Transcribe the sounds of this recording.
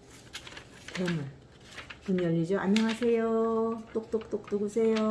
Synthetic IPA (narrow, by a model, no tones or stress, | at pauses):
tʰeman | kunjʌʎːid͡ʑʌʔaɲːʌŋɦasʰe̞jot͈ok̚t͈ok̚t͈ok̚t͈uɡusʰejo